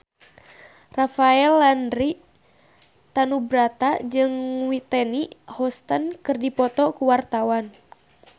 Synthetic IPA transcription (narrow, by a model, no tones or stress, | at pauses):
rafaɛlːandɾi | t̪anubɾat̪ad͡ʒɨŋwit̪ɛniʔhɔst̪ənkɨrdipɔt̪ɔkuwart̪awan